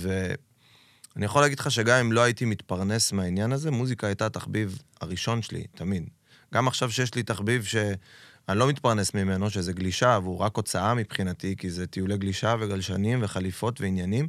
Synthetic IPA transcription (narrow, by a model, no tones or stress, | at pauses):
ve̞ | anijaχolaːɡidχaʃ̬e̞ɡamimlo̞aitimit̪paʁne̞smeainjanaze̞muzikaːjtataχbivha̰ʁiʃo̞nʃelḭtamid̪ | ɡamaχʃavʃe̞jeʃ̬lit̪aχbivʃe̞ | anlo̞mit̪paʁne̞smime̞no̞ʃe̞zeɡliʃavuʁako̞t͡saamipχinat̪ikize̞t̪ijuleɡliʃaveɡalʃanimve̞χalifo̞tveinjanim